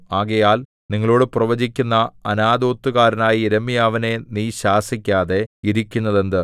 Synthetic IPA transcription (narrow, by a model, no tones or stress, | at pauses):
aːɣɐjaːl | niŋːɐɭo̞ːɽɨprɐʋɐd͡ʑikʲːunːɐɐnaːd̪o̞ːt̪ːuɣaːɾɐnaːjiːɾɐmːijaːʋɐne̞niːɕaːsikʲːaːðe̞iɾikʲːunːɐðe̞nd̪ɨ